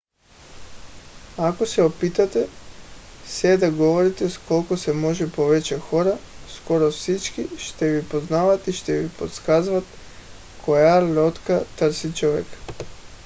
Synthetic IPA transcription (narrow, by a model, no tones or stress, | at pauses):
ako̞seopiːt̪at̪e | sjed̪aɡo̞ʋoɾit̪esko̞lkosemo̞ʒepo̞ʋet͡ɕaxo̞ɾa | sko̞ɾofsit͡ʃkiʃt̪eʋipo̞znaːʋat̪iʃt̪eʋipo̰t̪skazʋat̪ | kʰojalo̞t̪kat̪r̩sit͡ʃoʋek